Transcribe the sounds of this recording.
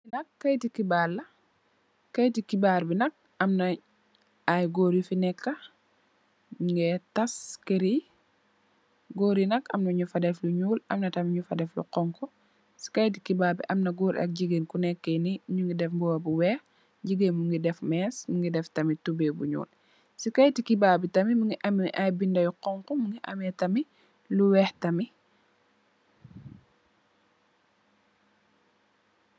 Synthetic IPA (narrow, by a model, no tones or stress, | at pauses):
inɐkːɐjtikibaɾlɐ | kːɐjtikibaɾbinɐk̚ | ɐmnɐ | ajɡoːɾifinɛkːɐ | ŋɡɛtɐskeɾi | ɡoːɾinɐkɐmnɐɲufadɛfluɲuːlʔɐmnɐtɐmɲufadɛflṵqɔŋkɔ | si̥kajt̬ikibaːɾbḭʔɐmnɐɡuːɾa̰k̚ɟiɡenkunɛkːeniɲuŋɡidɛfmbɔwɐbuwɛːx | ɟiɡenmuŋɡidɛfmɛsmuŋɡidɛftɐmitubɛːbuɲṵːl | sikɐjtikibaːbitɐmimuŋɡiʔɐmiiʔajbindɐjuqɔŋkɔmuŋɡiʔɐ̰mɛtɐmi | luwɛːxtɐmi